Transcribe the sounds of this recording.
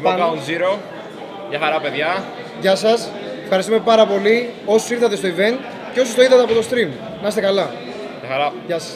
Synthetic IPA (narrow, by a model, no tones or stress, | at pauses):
mkɐonziɾo̞ | ʝɐxɐɾɐpe̞ðʝɐ | ʝɐsɐs | efxɐɾist̪ume̞pɐɾɐpo̞lio̞sosiɾθɐt̪e̞st̪oive̞nt̪ | ceo̞sost̪oiɾθɐt̪eɐpo̞t̪o̞st̪ɾim | nɐst̪e̞kɐlɐ | jɐxɐɾɐʝɐsɐs